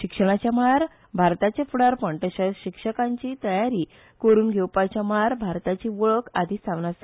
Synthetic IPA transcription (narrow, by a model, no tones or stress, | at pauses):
ɕikʂəɽ̃at͡ɕjamaɾ | bʱaɾt̪at͡ɕefuɽaɾpəɳʈ̪əɕaɕikʂəkãɲt͡ɕiːt̪əjaɾiː | kəɾuːnɡʱewpajt͡ɕjamaɾbʱaɾt̪at͡ɕiʋɔɭəkad̪ʱist̪ʰaʋnas